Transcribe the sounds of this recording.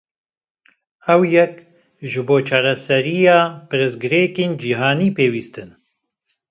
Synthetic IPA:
ɛwjɛk | ʒɨboːt͡ʃʰɑːɾɛsɛɾijɑːpɨɾɨsɡɨɾeːkeːnd͡ʒiːɦɑːniːpeːwiːst̪ɨn

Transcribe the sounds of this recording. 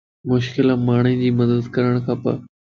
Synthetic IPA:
mʊʃkɪlãːmaːɳĩːd͡ʑiːməd̪əd̪kɐɾəɽ̃kʰãːpɐ̰

